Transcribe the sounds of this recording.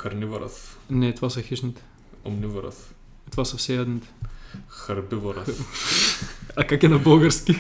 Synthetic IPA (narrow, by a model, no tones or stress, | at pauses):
kɐɾnʲivɐɾɐ̰θnɛt̪ovasɐxiʃnit̪ɛ̥ | o̰mnʲivoɾɐ̰θ | t̪ovasɐfsɛjad̪nit̪ɛ̥xɐɾbivoɾɐ | ɐkakɛnɐbəlˠɡəɾskʲi